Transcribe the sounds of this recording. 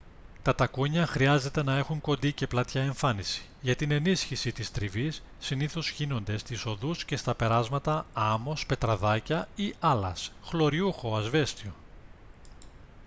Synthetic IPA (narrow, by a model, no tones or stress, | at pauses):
t̪ɐt̪ɐkuɲɐxɾiɐze̞t̪e̞nɐe̞xuŋko̞nd̪ice̞plɐt̪çɐe̞ɱfɐnisi̥ʝɐt̪ine̞nisçisit̪ist̪ɾivisːiniθo̞sçino̞nd̪e̞st̪iso̞ðusce̞st̪ɐpe̞ɾɐzmɐt̪ɐɐmo̞spe̞t̪ɾɐðɐcɐiɐlɐ̰sxlo̞ɾiuxo̞ɐzve̞st̪io̞